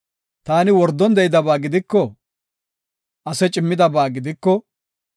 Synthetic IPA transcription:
t̪aːnɪwɔɾd̪ːɔnd̪ɛjɪd̪ɐbaːɡɪd̪ɪkːɔ | ʔɐsɛt͡ʃʼɪmːɪd̪ɐbaːɡɪd̪ɪkːɔ

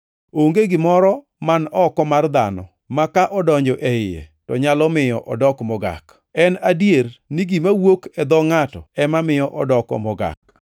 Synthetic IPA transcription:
oŋɡeɡɪmɔɾɔ | manɔkɔmard̪a̰nɔ̰ | makaʔɔdɔɲd͡ʒɔʔɛɪjɛ̰tɔɲalɔmɪjɔʔɔdɔkmɔɡa̰k | ɛnadjerniɡimawokɛd̪ɔŋatɔ̰ɛmamɪjɔʔɔdɔkɔ̰mɔɡa̰k̚

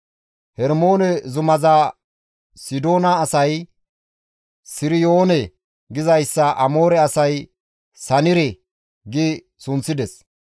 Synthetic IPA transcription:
hɛɾmo̞ːnɛzʊmɐza | sɪd̪o̞ːnɐːsɐj | sɪɾɪjo̞ːnɛ | ɡɪzɐjsːɐʔɐmo̞ːɾɛɐsɐj | sɐnɪɾɛ | ɡɪ | sʊnt͡sːɪd̪ɛs

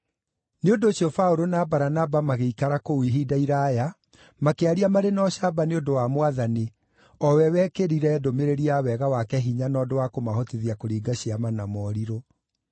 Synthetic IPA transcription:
neondoːɕiɔfaoɾonabaɾanabamaɣeikaɾakowiɦidaiɾaja | makeaɾiamaɾenɔɕabaneondowamwaðani | ɔwɛwɛkeɾiɾɛdomeɾeɾiawɛɣawakɛɦiɲanɔdowakomaɦɔteðiakoɾiːɡaɕiamanamɔɾiɾo

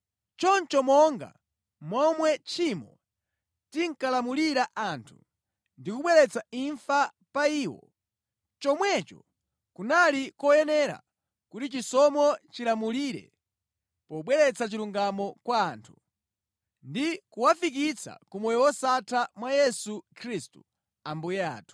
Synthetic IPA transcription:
t͡ʃɔnt͡ʃɔmɔŋɡa̰ | mɔmwɛt͡ʃʰimɔ̰ | tiŋkalamuliɾaʔaːntʰṵ | ndikuɓwɛɾɛt͡saiɱfa | paiːwɔ̰ | t͡ʃɔmwɛt͡ʃɔ̰ | kunalikɔjɛnɛɾa̰ | kutit͡ʃisɔmɔt͡ʃilamuliːɾɛ̰ | pɔɓwɛɾɛt͡sat͡ʃiluŋɡamɔkwaːntʰu | ndikuwafik̬it͡sʰa̰kumɔjɔwɔsatʰamwajɛsukʰɾistṵ | ambuja̰ːtu̥

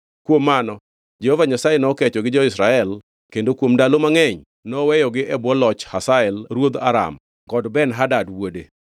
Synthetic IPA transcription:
kwomːanɔ | d͡ʒɛhovaɲasajenɔkɛt͡ʃɔɡɪd͡ʒɔɪsɾaɛl | kendokwomdalomaŋɛɲ | nɔwɛjɔɡɪʔɛbwɔlɔt͡ʃhasaɛlɾwod̪a̰ɾa̰m | ɡɔdbɛnɦadadwode

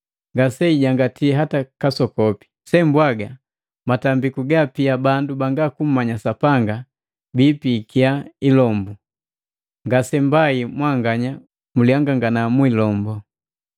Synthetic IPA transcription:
ŋɡasɛiɟaŋɡatiɛɦatakasɔkɔpi̥ | sɛmbwaɡa | matambikuɡapiabandubaŋɡakum̩maɲasapaŋɡa | bipikiailɔmbu | ŋɡasɛmbaimwaŋɡaɲa | muliaŋɡaŋɡanamwilɔmbɔ

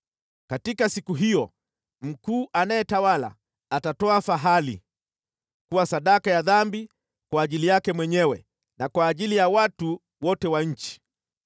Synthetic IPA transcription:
katikasikuɦijɔ | m̩kuːʔanajɛtawala̰ː | tatɔafaɦalḭ | kuwasaɗakajaðambi | kwaːʄilijakɛmwɛɲɛwɛ | nakwaːʄilijawatu | wɔtɛwaɲ̩t͡ʃi̥

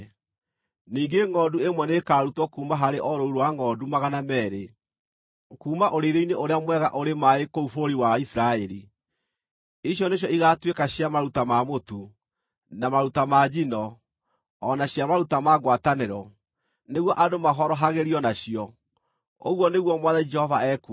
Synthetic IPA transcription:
niːŋɡeŋɔːduemwɛnekaːɾutwɔkuːmaɦaɾeʔɔɾouɾowaŋɔːdumaɣanamɛːɾe | kuːmaʔoɾeɾeineʔoɾeamwɛɣaʔoɾemaekoufoɾiwaisɾaɛɾi | iɕ̬jɔneɕ̬jɔiɣaːtwekaɕjamaɾutamamotu | namaɾutamad͡ʒinɔː | naɕjamaɾutamaːɣwataneɾɔ | neɣwɔʔadomaɦɔɾɔɦaɣeɾiɔnaɕiɔ | o̰ɣwɔneɣwɔmwaðaid͡ʒɛhɔvaɛku

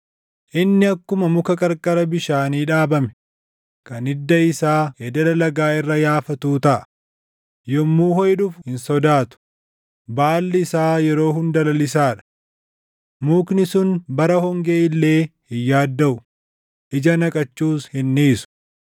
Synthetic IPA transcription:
ʔɪnːɪɐkːʊmɐmʊkɐkʼɐɾkʼɐɾɐbɪʃaːniːᶑaːbɐmɛ | kɐnɪd̪ːɐɪsaːhed̪ɐlɐlɐɡaːɪrːɐjaːfɐt̪uːt̪ɐʔɐ̥ | jɔmːuːhɔjᶑʊfhɪnsɔd̪aːt̪ʊ̥ | baːlːɪɪsaːjɛɾo̞ːɦʊnd̪ɐlɐlɪs̬aːᶑɐ̥ | muːknɪsʊnbɐɾɐhɔŋɡe̞ːɪlːe̞ːhɪjːaːd̪ːɐʔʊ | ʔɪd͡ʒɐnɐkʼɐt͡ʃːuːshɪnːiːsʊ̥

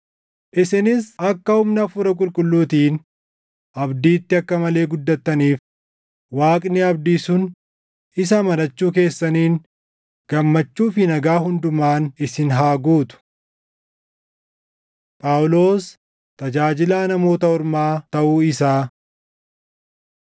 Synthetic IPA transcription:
ʔɪsɪnɪsɐkːɐhʊmnɐfʊɾɐkʼʊlkʼʊlːuːt̪iːn | ʔɐbd̪iːt̪ːɪɐkːɐmɐle̞ːɡʊd̪ːɐt̪ːɐniːf | waːkʼnɪɐbd̪iːsʊn | ɪs̬ɐmɐnɐt͡ʃːuːk̬e̞ːsːɐniːn | ɡ̥ɐmːɐt͡ʃːuːfɪnɐɡaːhʊnd̪ʊmaːnɪsɪnɦaːɡuːt̪ʊ̥ | pʼawlo̞ːs | t̪ɐd͡ʒaːd͡ʒɪlaːnɐmo̞ːt̪ɐɔɾmaːt̪ɐʔuːɪsaː

